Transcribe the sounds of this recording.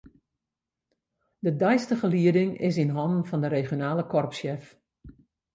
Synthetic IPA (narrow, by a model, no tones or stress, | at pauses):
dədɛjstəχəliədɪŋɪ̰s̬inɦɔndn̩fɔndəɾeːχjonaːlˠəkɔrpsjɛf